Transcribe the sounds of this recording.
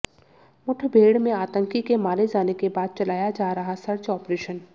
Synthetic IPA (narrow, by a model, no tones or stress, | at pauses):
mʊʈʰbʱeːɽmẽaːt̪ə̃ŋkikemaːɾed͡ʒaːnekebaːd̪̚t͡ʃɐlaːjad͡ʒaːɾɐɦasɐɾt͡ʃɔːpɾeːʃən